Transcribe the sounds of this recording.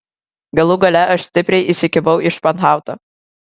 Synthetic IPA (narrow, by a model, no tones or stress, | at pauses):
ɡɐlˠuɡɐlʲɛʔɐʃsʲt̪ʲɪpʲɾʲɛɪʔisʲɪkʲɪʋɐʊɪʃpɐnɦɑˑʊt̪ɐ